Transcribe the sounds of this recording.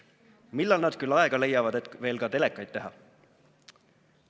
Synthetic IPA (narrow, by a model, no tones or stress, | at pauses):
milːɑlnɑd̪̥kylːɑe̞ɡ̥ɑle̞jːɑvɑd̪e̞t̪ˑve̞ːlkɑt̪e̞lekːˑɑjd̪̥̚t̪e̞ɦɑ̰